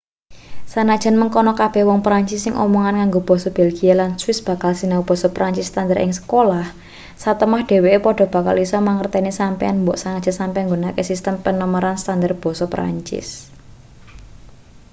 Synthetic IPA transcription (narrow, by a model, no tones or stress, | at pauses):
sanad̥ʒ̥ə̤nməŋkɔnɔkab̥ɛ̤hwɔŋpɾaɲt͡ʃɪsːɪŋʔɔ̰mɔŋankaŋɡob̥ɔ̤sɔb̥ɛlɡ̥ialanswɪsb̥ä̤kalsinawub̥ɔ̤sɔpɾaɲt͡ʃɪsːt̪andəɾʔɪ̰ŋsə̥kolah | sat̪əmahɖ̥e̤weʔepɔɖ̥ɔ̤b̥a̤ka̰lisɔmaŋərt̪ɛnisampɛa̰nmbɔʔsanad̥d͡ʒ̥ənsampɛaŋɡunakesist̪əmpənɔməɾanst̪and̪ərb̥ɔ̤sɔpɾa̰ɲt͡ʃɪ̰s